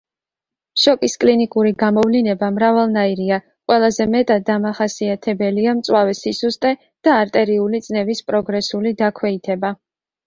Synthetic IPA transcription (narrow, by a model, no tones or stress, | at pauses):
ʃɔkʼiskʼlinikʼuɾiɡamɔvlinɛbamɾavalˠnaiɾia | qʼwɛlˠazɛmɛt̪ʼad̪ːamaχasiat̪ʰɛbɛliamt̪sʼwavɛsisust̪ʼɛ | d̪̥aːɾt̪ʼɛɾiulid̪sʼnɛbispʼɾɔɡɾɛsulid̪akʰwɛit̪ʰɛba